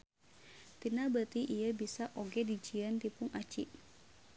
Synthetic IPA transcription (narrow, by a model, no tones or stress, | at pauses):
t̪inabət̪iʔijəbisaʔoɡɛdid͡ʒiənt̪ipuŋat͡ʃiʔ